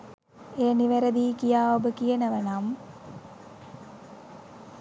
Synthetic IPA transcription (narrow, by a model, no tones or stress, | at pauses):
eːniʋeɾəd̪iːkijaːobəkijənəʋənam